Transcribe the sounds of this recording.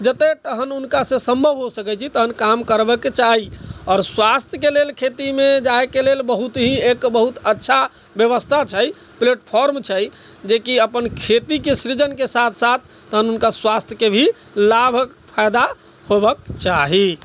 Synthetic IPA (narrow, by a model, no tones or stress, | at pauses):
d͡ʒət̪et̪əɦənunkasẽsəmbʱəbʱɦosəkɛt͡ʃʰit̪əɦənkamkəɾbəkːt͡ʃaɦiɔːɾswast̪ʰjəkelelkʰet̪imed͡ʒaekelelbəɦut̪ɦĩekbəɦut̪ətːʃʰa | bjəβəst̪ʰat͡ʃʰəj | pleʈpʰɔɾmt͡ʃʰəjd͡ʒekiəpənkʰet̪ikesɾid͡ʒənkesat̪ʰsat̪̚ʰːəɦənunkaswast̪ʰjəkebʱi | labʱək | pʰajd̪a | hobəkt͡ʃaɦi